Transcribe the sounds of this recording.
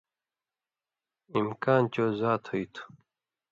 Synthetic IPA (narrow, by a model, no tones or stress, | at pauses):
imkaːnt͡ɕozaːt̪ʰhəit̪ʰu̥